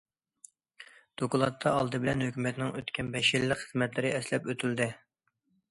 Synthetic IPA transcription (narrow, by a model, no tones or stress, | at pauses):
d̪̥okulˠɑt̪ʰːɑɑlˠd̪ɨbɪlɛnhøkʲymɛt̪ɪnɪŋøt̪kʲɛnbɛʃilːɪkχəzmɛt̪lɪɾɪɛslɛpøt̪ʰyld̪ɪ